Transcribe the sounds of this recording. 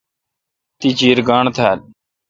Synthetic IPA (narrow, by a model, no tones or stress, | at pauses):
t̪iːt͡ʃiːɾɡaːɳt̪ʰaːl